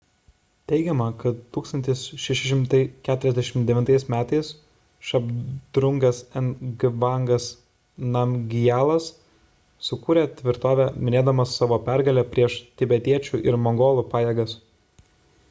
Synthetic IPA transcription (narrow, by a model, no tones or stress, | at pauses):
t̪ʲɛɪɡʲɛmɐkɐt̪ːuːkst̪ɐnʲt̪ʲɪsʃʲɛʃʲɪʃʲɪmt̪ɐɪkʲæːt̪ʊɾʲɛzʲd̪ʲɛʃʲɪmd̪ʲɛʋʲɪnt̪ɐɪsmʲæːt̪ɐɪs | ʃɐbd̪ɾʊŋɡɐsɛnɡʲʋɑŋɡɐs | nɐmʲɡʲɪjæːlˠɐsː | ʊkuːɾʲɛːt̪ʲʋʲɪɾt̪oːʋʲɛmʲɪnʲeːd̪ɐmɐsːɑːʋoːpʲæɾɡɐlʲɛpʲɾʲiɛʃt̪ʲɪbʲɛt̪ʲiɛt͡ʃʲuʔɪɾmɔŋɡoːlˠupɑːjɛːɡɐs